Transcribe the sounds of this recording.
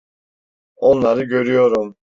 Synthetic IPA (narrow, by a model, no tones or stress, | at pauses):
o̞nlˠaɾɯɟø̞ɾyjo̞ɾum